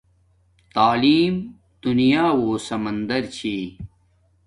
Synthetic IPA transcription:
t̪aːliːm | d̪̥unijaːwoːsɐmɐnd̪ɐɾt͡ɕʰi

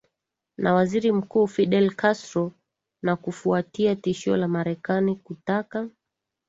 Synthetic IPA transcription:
nawaziɾim̩kuːfiɗɛlkastɾɔ | nakufuatiatiʃiɔ̰lamaɾɛkanikutaka

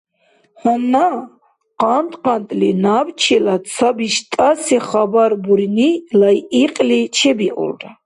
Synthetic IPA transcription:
hɔmna | qʼant̪ʼqʼant̪ʼlinabt͡ʃʰilasʰabiʃt̪ʼasiχabaɾbuɾinilajiqʼlit͡ʃʰɛbiʔṵlɾa

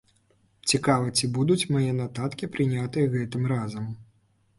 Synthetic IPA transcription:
t͡sʲikavɐt͡sʲibud̪ut͡sʲmajɛnat̪at̪kʲipɾɨnʲat̪ɨjɐɣɛt̪ɨmɾazɐm

